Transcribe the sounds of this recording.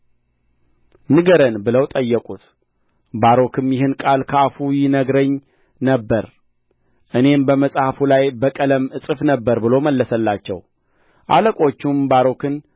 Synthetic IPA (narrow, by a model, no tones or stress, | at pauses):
nɨɡəɾənbɨləwt̪ʼəjːəkʼut̪ | baɾo̞kʰɨmjɪɦɨnkʼalkʰəafujɪnəɡɾəɲ | nəbːəɾ | ʔɨne̞mbəməsʼhafulajbəkʼələmɨsʼɨfnəbːəɾbɨlo̞məlːəsəlːat͡ʃːɛ̰w | ʔaləkʼo̞t͡ʃːumbaɾo̞kɨn